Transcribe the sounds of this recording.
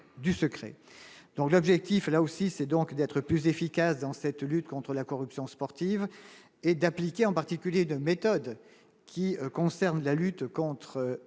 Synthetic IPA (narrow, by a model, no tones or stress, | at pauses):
d̪ysəkχɛ̰d̪̥ɔ̃klɔbʒɛk̚t̪iflaosisɛd̪ɔ̃kd̪ɛt̪χəplyzefikasd̪ɑ̃sɛt̪lyt̪kɔ̃t̪χəlakɔʁypsjɔ̃spɔʁt̪iv | ed̪aplikʲeɑ̃paʁt̪ikʲyljeynmet̪ɔd̪ | kʲiəkɔ̃sɛʁnlalyt̪kɔ̃t̪χə